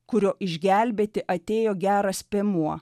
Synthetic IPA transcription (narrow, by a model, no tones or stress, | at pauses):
kʊɾʲoːʔɪʒʲɡʲæˑlʲbʲeːt̪ʲɪʔɐt̪ʲeːjoːɡʲæːɾɐspʲeːmuɔ